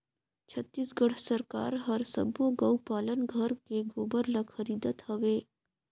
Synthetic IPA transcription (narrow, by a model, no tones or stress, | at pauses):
t͡ʃʰət̪ːiːsɡəɽ̤səɾka̰ːɾɦɐɾsə̰boɡɐupaːlənɡʱəɾkeɡoːbəɾlakxʰɐɾiːd̪ət̪hɐʋeː